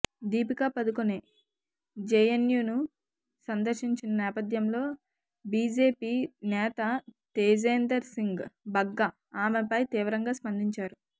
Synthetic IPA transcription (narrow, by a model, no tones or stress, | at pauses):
d̪iːpikapɐd̪ukuneː | d͡ʒejenjuːnu | sɐnd̪ɐɾʃiɲt͡ʃinɐnɛːpɐd̪jɐmlo̞ː | biːd͡ʒeːpiːnɛːt̪ɐt̪eːd͡ʒeːnd̪ɐɾsiŋɡbɐɡːɐ | aːmepɐjt̪iːʋɐɾɐŋɡaːspɐnd̪iɲt͡ʃaːɾu